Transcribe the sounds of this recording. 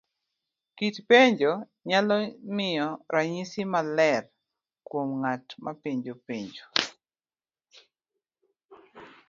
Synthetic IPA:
kitpeɲd͡ʒo | ɲalɔmɪɔɾaɲisimalɛr | kwomŋatmapeɲd͡ʒopeɲd͡ʒo

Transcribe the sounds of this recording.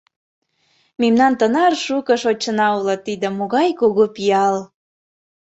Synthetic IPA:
memnɑnt̪ənɑrʃukəʃot͡ɕːənɑulɤt̪ːid̪ə̆moɣɑjkoɣopiɑl

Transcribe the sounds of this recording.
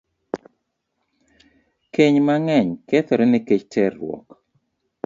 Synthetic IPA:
keɲmaŋɛɲkɛt̪ɔɾɛnɪket͡ʃtɛrwɔ̰k

